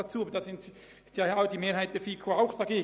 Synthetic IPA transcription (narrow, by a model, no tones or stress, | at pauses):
ɑt͡suːobəd̥ɑsɪnts | ɪstjɑjaʊd̥iːmeːɾhaɪt̚d̥ɛːfiːkʰoaʊxd̥ɑɡ̥eː